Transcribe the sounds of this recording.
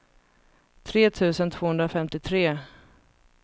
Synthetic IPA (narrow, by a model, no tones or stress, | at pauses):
t̪ʰɾeːt̪ʰʉ̟ːsənt̪ʰv̥oːhɵnd̪ɾafɛmt̪ɪt̪ʰɾeː